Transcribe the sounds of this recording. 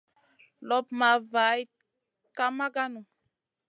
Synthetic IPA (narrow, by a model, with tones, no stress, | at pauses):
lɔ˦pma˨va˨˦j | ka˦ma˦ɡa˦nu˨